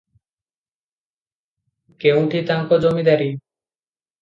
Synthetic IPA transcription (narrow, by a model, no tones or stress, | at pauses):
kew̃ʈit̪aŋkod͡ʑomid̪ɛɾi